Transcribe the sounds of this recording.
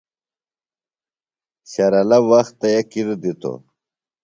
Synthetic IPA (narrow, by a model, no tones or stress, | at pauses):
ɕaɾɐlawaxt̪ːɐjakiɾd̪it̪o̰